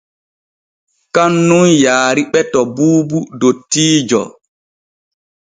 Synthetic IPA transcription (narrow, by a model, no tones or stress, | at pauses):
kanːunjaːɾiɓɛtɔbuːbudotːiːd͡ʒɔ̰